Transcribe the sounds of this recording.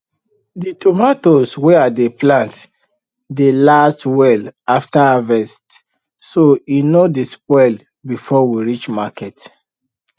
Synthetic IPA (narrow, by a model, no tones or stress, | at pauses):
ditɔmatosweadeplãnt | delastwɛlaftaavɛst | soinodispɔl | bifɔwiɹit͡ʃmakɛt